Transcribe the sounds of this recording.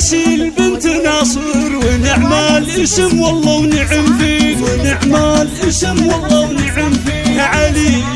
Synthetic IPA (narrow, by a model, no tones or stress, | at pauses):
ʃilbɪnt̪ɪnɑːsˤɨɾwɪnɪʕmalʔɪsɪmwɑlˤːɑːwnɪʕɪmfiːwnɪʕmalʔɪsɪmwɑlˤːɑwnɪʕɪmfiːkʕali